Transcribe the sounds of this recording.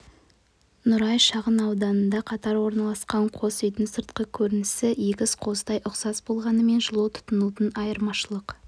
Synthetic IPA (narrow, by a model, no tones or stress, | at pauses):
nʊɾɑjʃɑʁənɑwd̪ɑnənd̪ɑqʰɑt̪ɑɾwo̞ɾnɑlˠɑsqɑɴqʰo̞sʏjt̪ɪnsəɾt̪̚qəkʲʰɵɾɪnɪsɪjekʲɪsqʰo̞zd̪ɑjʔʊqsɑsbo̞lˠʁɑnəme̞nʒəlˠut̪ʰʊ̥t̪ʊnut̪ənɑjəɾmɑʃəlˠəq